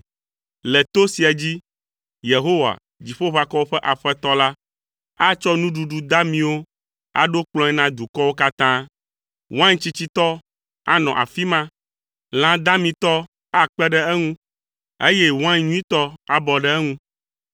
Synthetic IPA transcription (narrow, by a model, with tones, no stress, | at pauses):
lɛ˨t̪o˦si˨a˨d͡ʑi˦ | je˨ɦo˦wa̰˨ | d͡ʑi˨ɸo˦βa˨kɔ˦wo˦ɸɛ˦ʔa˨ɸɛ˦t̪ɔ˦la˦ | a˦t͡ʃɔ˦nũ˦ɖu˨ɖu˨d̪a˦mĩ˨wo˦ | a̰˨ɖo˦k͡plɔ̃˦ɛ˦nã˦d̪u˨kɔ˦wo˦ka˦t̪ã˦ | wã˦ɲt͡ɕi˦t͡ɕi˦t̪ɔ˦ | a̰˦nɔ̃˨ʔa̰˨fi˦mã˦ | l̃ã˦d̪a˦mĩ˨t̪ɔ˦ | a˦˨k͡pɛ˦ɖɛ˦ɛ˦ŋũ˦ | ḛ˦jɛ˦wã˦ɲũ˦ĩ˦t̪ɔ˦a˨bɔ˨ɖɛ˦ɛ˦ŋũ˦